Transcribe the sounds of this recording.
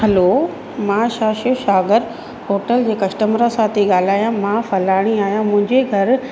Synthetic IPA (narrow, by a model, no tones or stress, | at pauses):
hɐlo | mãːʃaːʃɪʃaːɡəɾ | hoːʈəld͡ʑeːkɐʃʈəmɾasaːt̪ʰiɠaːl̤aːjãmãːfɐlaːɽ̃iaːɦijãmʊ̃ɦɪ̃ɲd͡ʑeɡʱɐɾ